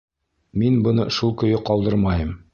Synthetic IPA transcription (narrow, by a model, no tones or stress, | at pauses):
minbŏnɤʃulˠkɵ̆jɘqɒlˠd̪ɤɾmɑjɤm